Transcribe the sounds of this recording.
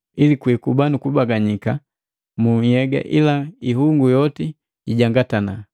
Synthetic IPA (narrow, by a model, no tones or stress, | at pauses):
ilikwikubanukubaɡaɲika | muhɛɡa̰ʔḭlaiɦuŋɡujɔti | iɟaŋɡatana